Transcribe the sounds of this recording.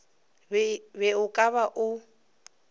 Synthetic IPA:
βɛʊkʼaβaʔʊ

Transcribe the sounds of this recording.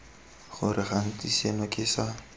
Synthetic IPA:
χʊɾɪχan̩tʼisenakʼɪːsa

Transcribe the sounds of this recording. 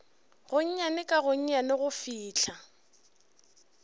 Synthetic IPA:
ɣʊɲ̩ɲanɪkʼaɣʊɲ̩ɲanɪɣʊfiːt͡ɬʰa

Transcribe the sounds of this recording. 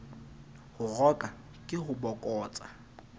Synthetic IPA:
hʊrɔkʼa | kʼɪhʊbɔkʼɔːt͡sʼa

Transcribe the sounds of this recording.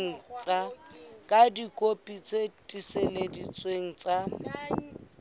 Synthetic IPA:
ŋ̩t͡sʼakʼadikʼopʼit͡sʼetʼiseledit͡sʼweŋ̩t͡sʼa

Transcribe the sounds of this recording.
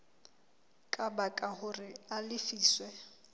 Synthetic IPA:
kʼabakʼahʊrɪalɪfiːswɛ

